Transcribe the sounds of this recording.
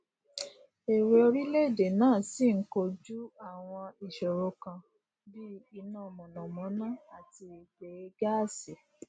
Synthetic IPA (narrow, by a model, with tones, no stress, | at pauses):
e˨we˨o˧ɾi˦le˦˨de˨nãː˦˨si˦˨ŋ̩˦ko˧d͡ʒu˦a˦˨w̃ɔ̃˧i˨ʃɔ˨ɾo˧kã˧ | bi˦i˦nã˦˨mɔ̃˨nɔ̃˨mɔ̃˨˦nã˦˨a˨ti˧i˨be˨˧ɡa˦˨se˨